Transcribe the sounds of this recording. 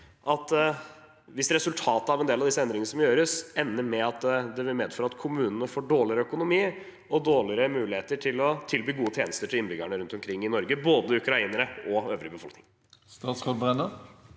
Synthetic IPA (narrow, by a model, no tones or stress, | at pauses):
ʔɑt̪ | ʋɪsɾɛsʉlt̪ʰɑːt̪əɑʋɛnd̪eːlɑʋd̪ɪsːəɛnd̪ɾɪŋnəsɔmjøːɾəsɛnːəɾmɛɑt̪d̪ɛʋɪlmeːd̪fœøːɾəɑt̪kʰʊmʉːnənəfoːɖoːɭɪɾəœkʊnʊmiː | ɔd̪oːɭɪɾəmʉːlɪheːt̪əʈʰɪlɔt̪ʰɪlbiːɡuːət̪ʰeːnəst̪əʈʰɪlɪnbʏɡaɳəɾʉnt̪ɔmkʰɾɪŋːɪnɔɾɡəboːd̪əʉkɾɑiːnəɾəɔøːʋɾɪəbəfɔlkʰnɪŋ | st̪ɑːt̪skɔbʁɛnə